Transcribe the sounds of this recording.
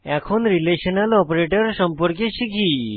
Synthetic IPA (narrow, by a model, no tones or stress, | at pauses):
ɛkʰonɾileɕənalɔpɾeʈəɾsəmpəɾkeɕikʰi